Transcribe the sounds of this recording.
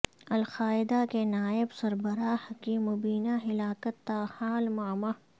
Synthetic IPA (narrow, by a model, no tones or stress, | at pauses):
ɐlxaːɪd̪akenaːɪbsɐɾbɐɾaːhkimʊbiːnaɦɪlaːkət̪ːaːhaːlmaːma